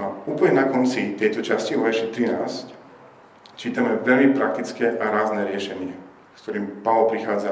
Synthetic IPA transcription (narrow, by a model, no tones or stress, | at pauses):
uːpl̩ɲɛnakɔnt͡sit̪ɛjt̪ɔt͡ʃasciɔʋɛʃɛt̪ɾinaːsc | t͡ʃiːt̪amɛʋɛlmipɾak̚t̪it͡skɛʔaɾaːznɛɾɪɛʃɛɲɪɛ | kt̪ɔɾiːmpaʋlpɾixaːd͡za